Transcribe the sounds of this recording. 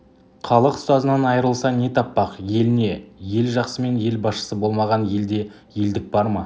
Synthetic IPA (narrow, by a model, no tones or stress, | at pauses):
χʰɑlˠəqst̪ɑzənɑnɑjəɾəlˠsɑne̞t̪ʰɑpːɑqje̞lɪne̞je̞lʒɑqsəme̞nje̞lbɑsʃə̥səbo̞lˠmɑʁɑnje̞ld̪e̞ | je̞ld̪ɪk̚bɑɾmɑ